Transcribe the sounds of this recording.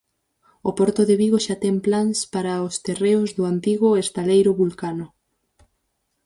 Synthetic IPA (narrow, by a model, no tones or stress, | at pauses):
opɔɾt̪oðeβiɣoʃat̪ɛŋplaŋspaɾaost̪ereʊzðʊant̪iɣʊest̪alejɾʊβulkanʊ